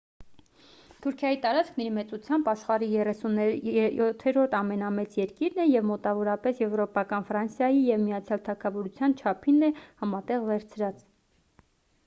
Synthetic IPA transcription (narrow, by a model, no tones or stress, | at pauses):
t̪ʰuɾkʰjɑjit̪ɑɾɑt͡skʰnɛɾimɛt͡sut͡sʰjɑmbɑʃχɑɾijɛrɛsunjt̪ʰːɛɾɔɾt̪ʰɑmɛnɑmɛt͡sjɛɾkiɾnɛjɛvmɔt̪ɑvɔɾɑpɛsjɛvɾɔpɑkɑnfɾɑnsjɑjijɛvmijɑt͡sʰjɑlt̪ʰɑkʰɑvɔɾut͡sʰjɑnt͡ʃʰɑpʰinːɛhɑmɑt̪ɛʁvɛɾt͡sʰɾɑt͡s